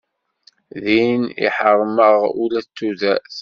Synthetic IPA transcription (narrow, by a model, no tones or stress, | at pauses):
ðinḭħərˤːməʁulæt͡sːuðæ